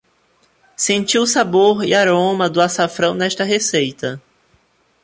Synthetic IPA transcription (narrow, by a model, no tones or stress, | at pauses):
sẽnt͡ʃiwsaboɾɪ̰aɾõmɐd̪ʊasafɾɐ̃w̃nɛʃt̪ɐɦesejt̪ɐ